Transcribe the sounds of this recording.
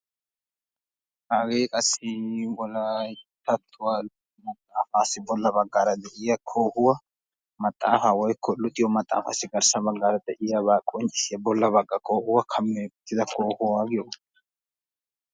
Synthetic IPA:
haːɡeːkʼɐsːɪwɔlajt̪ːɐt̪ʰːʊwaːl | mɐt̪ʼːaːfaːsɪbɔlːɐbɐɡːaːɾɐd̪ɛʔɪjɐkʰoːhʊwɐ | mɐt̪ʼːaːfawɔjkʰːɔlʊt̪ʼɪjɔmɐt̪ʼːa̰ːfa̰ːsɪɡɐɾsɐbɐɡːaːɾɐd̪ɛʔɪjabaːkʼɔnt͡ʃʼɪsɪjɐbɔlːɐbɐkʼːɐkʰoːhʊwɐkʰɐmːet̪ːɪd̪ɐkʰoːhʊwaːɡɪjɔ

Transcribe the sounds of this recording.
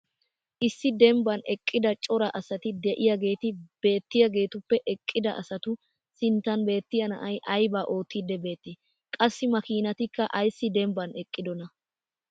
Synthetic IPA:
ʔɪsːɪd̪ɛmbɐnɛkʼːɪd̪ɐt͡ʃʼɔɾɐʔɐsɐt̪ɪd̪ɛʔɪjaɡe̞ːt̪ɪb̥e̞ːt̪ːɪjɐɡe̞ːt̪ʊpːɛʔɛkʼːɪd̪ɐʔɐsɐt̪ʊ | sɪnt̪ːɐnbe̞ːt̪ːɪjɐnɐ̰ʔɐjʔɐjbaːʔo̞ːt̪ːiːd̪ɛbe̞ːt̪ːɪ | kʼɐsːɪmɐkiːnɐt̪ɪkːɐʔɐjsːɪd̪ɛmbɐnɛkʼːɪd̪ɔnɐ

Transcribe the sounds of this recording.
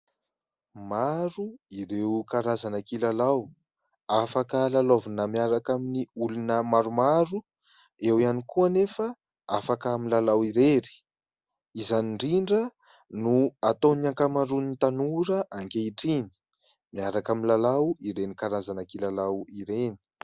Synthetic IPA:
maɾuiɾewkaɾazanakilalaw | afakəlalovunəmiaɾakaminiulunəmaɾumaɾu | ewianikuanefə | afakamilalawiɾeɾi̥ | izaniɳɖ͡ʐiɳɖ͡ʐə | nuat̪oniaŋkamaɾunit̪anuɾəʔaŋkeiʈ͡ʂini̥ | miaɾakaminlalawiɾenikaɾazanakilalawiɾeni̥

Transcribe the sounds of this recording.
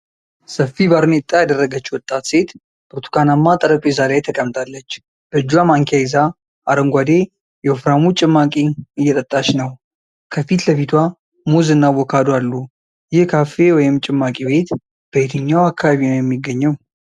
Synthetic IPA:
səfːibaɾnet̪ʼːajad̪ərːəɡət͡ʃːwɔt̪ʼːat̪se̞t̪ | bɨɾt̪ʰu̥kʰanamːat̪ʼəɾəkʼjezaɾejt̪ʰəkʼəmːt̪ʰalːət͡ʃː | b̥əd͡ʒːuamaŋkʰaiza | ʔaɾəŋɡʷad̪e̞ | jɛofɾamut͡ʃʼɪmːakʼiɨjːɛt̪ʼət̪ʼːat͡ʃːnəw | kʰəfit̪ləfit̪ʰwa | muzɨnːawɔkʰad̪oalːu | jɪhkʰafe̞wɔjɪmt͡ʃʼɪmːakʼibe̞t̪ | b̥əet̪ʰɨɲːawakʰːaβaβinojɛmːiɡəɲːəw

